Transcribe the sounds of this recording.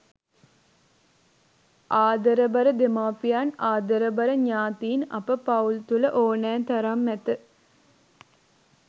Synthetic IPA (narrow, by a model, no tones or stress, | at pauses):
aːd̪əɾəbɐɾəd̪emaːpijanaːd̪əɾəbɐɾəɲaːt̪iːnɐ̰pəpault̪uləʔoːnæːnt̪ɐɾamːæt̪ə